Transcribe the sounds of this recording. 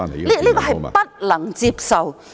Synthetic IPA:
li˦˥liː˦˥˧kɔː˧˩hɐ˨˩pɐ˦t̚lɐ˨˩˦ŋt͡si˧p̚sa˨˧˩w

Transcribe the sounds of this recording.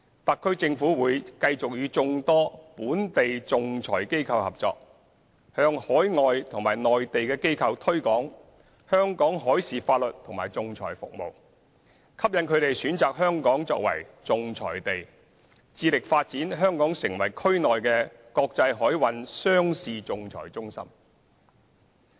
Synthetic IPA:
t̪ɐ˨kʰːɵ˥t͡sɪ˧ŋfuː˨˥wuː˨˧jkɐ˧jt͡sʊ˨k̚jyː˨˧t͡sʊ˧ŋt̪ɔː˥puː˨˥nt̪e˨jt͡sʊ˨ŋt͡sʰɔ̰ː˨˩jke˥jkʰɐ˧whɐ˨p̚t͡sɔ̰ː˧k̚ | hœː˧ŋhɔː˨˥jŋɔː˨jt̪ʰʊ˨˩ŋmaː˨˩jnɔː˨jt̪e˨jkɛː˧ke˥jkʰɐ˧wt̪ʰɵ˥ɥkɔː˨˥ŋ | hœː˥ŋkɔː˨˥ŋɦɔː˨˥jsiː˨faː˧t̚lɵ˨t̚t̪ʰʊ˨˩ŋma̰ː˨˩jt͡sʊ˨ŋt͡sʰɔ̰ː˨˩jfʊ̰˨k̚mo̰˨w | kʰɐ˥p̚jɐ˨˧nkʰɵ˨˧ɥt̪e˨jsyː˨˥nt͡saː˨k̚hœː˥ŋkɔː˨˥ŋt͡sɔ̰ː˧k̚wɐ̰˨˩jt͡sʊ˨ŋt͡sʰɔ̰ː˨˩jt̪e˨j | t͡siː˧lɪ˨k̚faː˧t̚t͡siː˨˥nɦœː˥ŋkɔː˨˥ŋsɪ˨˩ŋwɐ˨˩jkʰɵ˥ɥnɔː˨jkɛː˧ | kɔː˧k̚t͡sɐ˧jɦɔː˨˥jwɐ˨˧nsœː˥ŋsiː˨t͡sʊ˨ŋt͡sʰɔ̰ː˨˩jt͡sʊ˥ŋsɐ̰˥m

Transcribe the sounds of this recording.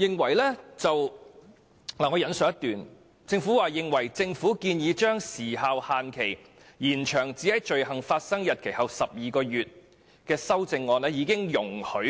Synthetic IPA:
jɪ˨ŋwɐ˨˩jlɛː˥t͡sɐ˨w | laː˨˩ŋɔː˨˧jɐ˨˧nsœː˧˥ɐ˥t̪yː˨n | t͡sɪ˧ŋfuː˨˥waː˨˧jɪ˨ŋwɐ˨˩jt͡sɪ˧ŋfuː˨˥kiː˧njiː˨˥t͡ʃœː˥ŋsiː˨˩ɦaː˨whaː˨nkʰe˨˩j | jiː˨˩nt͡ʃʰœː˨˩ŋt͡siː˨˥hɐ˨˥jt͡ʃɵ˨ɥhɐ˨˩ŋfaː˧t̚sɐ˥ŋjɐ˨t̚kʰe˨˩jhɐ˨˩wsɐ˨p̚jiː˨kɔː˧jyː˨t̚ | kɛː˧sɐ˥wt͡sɪ˧ŋːɔː˧nɛː˥jiː˨˧kɪ˥ŋjʊ˨˩ŋhɵ˨˥

